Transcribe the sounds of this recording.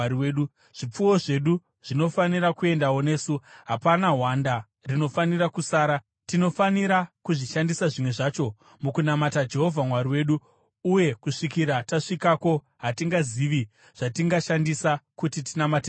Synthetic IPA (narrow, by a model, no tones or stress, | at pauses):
iweːɗu | ʐ̥ip͡fuwo̞ʐe̞ɗu | ʐ̥ino̞faniɾakue̞ndawo̞ne̞ːsuɦapanaɦwanda | rino̞fanirakusaːɾa | tino̞faniɾakuʐiʃandisaʐimwe̞ʐaːt͡ʃo̞ | mukunamatad͡ʒe̞ɦo̞vʱamwaɾiwe̞ːɗu | uje̞kuʂikiɾataʂikako̞ | ɦatiŋɡaziʋi | ʐ̥atiŋɡaʃandisakutitinamate